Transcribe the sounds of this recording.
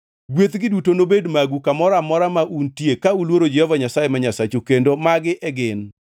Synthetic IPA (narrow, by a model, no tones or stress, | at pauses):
ɡwet̪ɡɪdutonobedmaɡukamɔɾamɔɾamaʔuntjekaulwoɾod͡ʒɛhɔvaɲasajemaɲasat͡ʃukendomaɡɪʔɛɡɪn